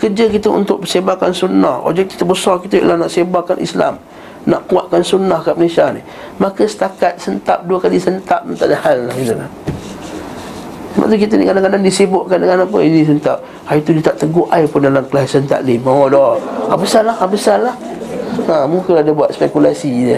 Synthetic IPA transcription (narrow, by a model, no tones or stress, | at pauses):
kərd͡ʒəkit̪əṵnt̪ʊʔ̚bəsebakansunaho̰b̚d͡ʒɛk̪̚ki̥t̪əbəsɔrkit̪ə̰lahnaʔsembakanʔḭsla̰m | naʔkuaʔ̪̚kansunahkaʔməlesanḭ | makəsə̥t̪akat̪̚sənt̪ap̚duəkalisənt̪ap̚nət̪aʔdahalːahinəla̰ | səba̰ʔt̪uk̬it̪ənḭkadaŋkadaŋdisibʊʔkandəŋanapə̰inis̬ənt̪ap̚ | hajut̪udit̪aʔt̪əɡoʔajpʊndalamkəlasənt̪a̰ʔlimaodɔabəsalahabəsalah | ə̃mukəadabuat̪̚spɛkulasinə